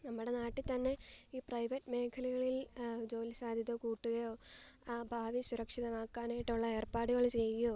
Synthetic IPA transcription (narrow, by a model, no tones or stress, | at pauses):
nɐmːuɽe̞naːʈːit̪ɐnːe̞iːprɐjʋɐtːme̞ːkʰɐliɣɐɭild͡ʑo̞ːlsaːd̪ʱjɐðɐkuːʈːuɣɐjoːaːbʱaːʋisuɾɐkʂiðɐmaːkːaːnaːjiʈːuɭːɐe̞ːrpaːɽuɣɐɭt͡ɕe̞jkjoː